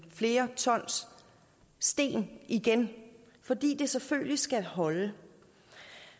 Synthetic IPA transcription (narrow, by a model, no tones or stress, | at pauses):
fle̝ːɐt͡sʰɒ̽n̰sː | d̥e̝̰ːnʔiɡ̥en | fɒ̽d̥ḭːd̥e̝seføllisɡ̥æhɒ̽lə